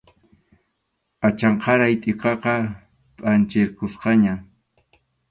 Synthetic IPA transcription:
at͡ʃɑɴqɑɾajt̪ʼɪqɑqɑ | pʼant͡ʃɪɾkʊsqɑɲa

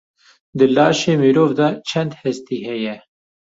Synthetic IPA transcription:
d̪ɨlɑːʃeːmiːɾoːvd̪ɑːt͡ʃʰɛnd̪hɛst̪iːɦɛjɛ

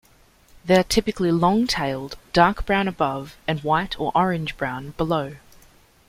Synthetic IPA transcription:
ðɛɪətʰɪpɨklilɔ̃ŋtʰeɪlˠdd̥ɑɹkb̥ɹãʊ̃nəbʌvɨ̃nwaɪɾʰə˞ʔɔɹɪ̃nd͡ʒbɹãʊ̃nbələʊ

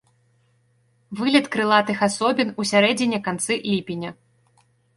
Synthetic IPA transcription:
vɨlʲɛt̪kɾɨlˠat̪ɨxasɔbʲinusʲaɾɛd͡zʲinʲɐkant̪sɨlʲipʲinʲɐ

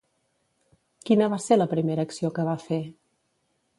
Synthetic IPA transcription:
kinəβaseləpɾimeɾəːksiokəβafe

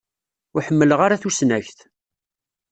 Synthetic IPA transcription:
ʊħəmːələʁaɾaθusnæçθ

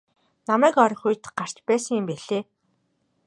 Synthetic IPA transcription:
namæːkɔɾɞ̆xuj̆t̪ɢar̥t͡ɕpæːsə̆ŋimpeɮeː

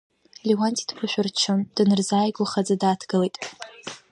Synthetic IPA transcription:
liwantʰʼidkʷʰʊʃʷᶣʊrt͡ʃʰɨmd̥ɨnɨrzaːjɡʷaχad͡zadaːtʰɡ̥ɨlejtʼ

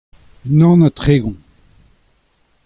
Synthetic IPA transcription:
nɑ̃nat̪χeːɡɔ̃

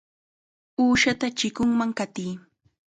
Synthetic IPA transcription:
uːʃat̪at͡ʃɪkʊŋmaŋkat̪iː

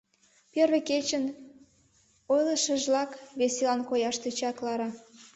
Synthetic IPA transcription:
perβeket͡ɕən | ojləʃə̆ʒlɑkβeselɑnkojɑʃt̪et͡ɕɑklɑɾɑ

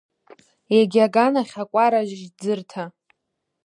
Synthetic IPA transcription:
jaɡʲaɡanaχʲakʷʼaɾaʒʒd͡zɨrtʰa

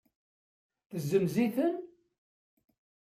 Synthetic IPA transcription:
θəzːəmziθən

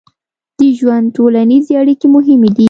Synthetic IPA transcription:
d̪̥əʒwand̪̚tolanizeaɽikemʊɦɪmed̪i

